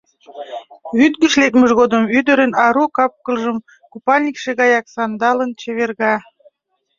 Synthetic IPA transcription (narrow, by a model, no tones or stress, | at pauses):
βyt̪̚ɡə̆ʃlek̚məʒɣod̪əmyd̪ə̆ɾənɑɾukɑp̚kə̆lʒəm | kupɑlʲnʲikʃeɣɑjɑksɑnd̪ɑlənt͡ɕeβerɣɑ